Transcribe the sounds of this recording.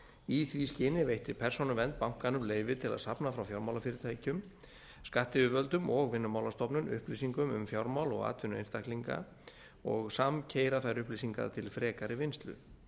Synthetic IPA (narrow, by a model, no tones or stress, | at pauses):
iθviscɪːnɪvejht̪ɪpʰɛr̥sonʏvɛnt̪̚pawŋ̥kanʏmleːjvɪt̪ʰɪla̰ðsapnafɾawfjawɾmawlafɪːɾɪt̪ʰaːjcʏm | skaht̪ɪʏvœlt̪ʏmɔɣvɪnːʏmaːwlast̪ɔpnʏmʏ̰hplisiŋkʏmʏ̰mfjawɾmawlɔ̰ɣa̰ːt̪ʰvʏnʏejnst̪ahk̪liŋka̰ | ɔ̰ɣsamcʰeːjɾaθajɾʏhplis̬iŋka̰ɾt̪ʰɪlfɾɛːkaɾɪvɪnst̪lʏ̰